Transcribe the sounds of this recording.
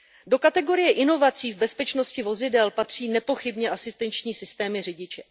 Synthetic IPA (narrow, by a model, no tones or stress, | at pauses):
do̞kat̪ɛɡo̞ɾɪjɛʔɪno̞vat͡siːvbɛspɛt͡ʃno̞scɪvo̞zɪdɛlpat̪r̝̥iːnɛpo̞xɪbɲɛʔasɪst̪ɛnt͡ʃɲiːsɪst̪ɛːmɪrɪɟɪt͡ʃɛ